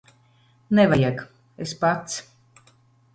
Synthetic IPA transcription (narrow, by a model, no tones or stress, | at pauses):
nɛvajak | espat̪s